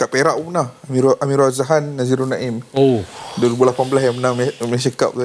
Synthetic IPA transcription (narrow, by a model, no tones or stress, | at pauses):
kaʔpeɾaʔumnahmiamĩɾwazaɦanːaziɾunaʔimodolibulapanbəlasjaŋmənaŋmmns̬əka̰p̚ka